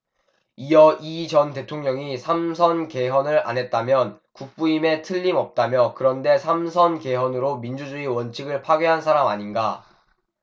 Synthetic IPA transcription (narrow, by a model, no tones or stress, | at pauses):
ijʌʔit͡ɕʌnte̞tʰoŋɲʌŋisʰamsʰʌnke̞ɦwʌnɯɾa̰nɦe̞t̚t͈amjʌn | kuk̚p͈uime̞tʰɯʎːimʌp̚t͈amjʌkɯɾʌnde̞sʰamsʰʌnke̞ɦwʌnɯɾomind͡ʑud͡ʑuiwʌnt͡ɕʰiɡɯɭpʰaɡjeɦansʰaɾamaɲinɡa